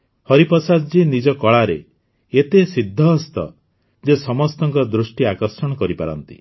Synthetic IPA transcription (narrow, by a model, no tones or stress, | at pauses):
hɔɾipɔsad̪d͡ʒinid͡ʒɔkɔɭaɾe | et̪esid̪ʱːɔːst̪ɔ̰ | d͡ʒesɔmɔst̪ɔŋkɔd̪ɾusʈiakɔɾsɔɽ̃ɔkɔɾipaɾɔ̰nt̪i̥̰